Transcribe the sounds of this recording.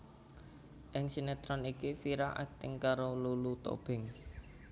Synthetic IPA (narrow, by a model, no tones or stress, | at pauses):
ʔɪŋsinɛt̪ɾɔnikifiɾaʔa̰k̚t̪ɪŋkaɾolulut̪o̰b̥ɪ̤ŋ